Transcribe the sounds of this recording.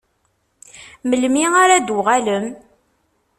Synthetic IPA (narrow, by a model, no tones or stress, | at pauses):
məlmiaɾad̪wʁaləm